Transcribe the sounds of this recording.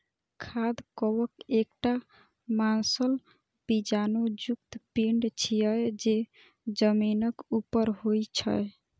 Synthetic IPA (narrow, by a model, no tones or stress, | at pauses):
kʰad̪kɔwəkek̚ʈa | mansəl | bid͡ʒanod͡ʒuk̚t̪piɳɖt͡ʃʰijəjd͡ʒe | d͡ʒəminəkupəɾɦojt͡ʃʰə̰j